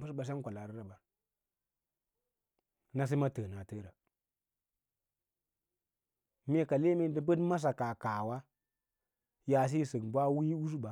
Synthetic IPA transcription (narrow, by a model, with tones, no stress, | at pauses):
bu˦sba˨s̬e˦kʷa˨la˨ɾi˦ɾa˨ba˨ | na˦s̬i˦ma˦təː˨na˨tə˦ɾa˨ | me˦ka˨le˦me˦də˨bə˦dma˦s̬a˨ka˨ka˨wa˦ | ja˨s̬i˦˨sə˨ɡbʷa˦wi˦u˦s̬u˦ba˨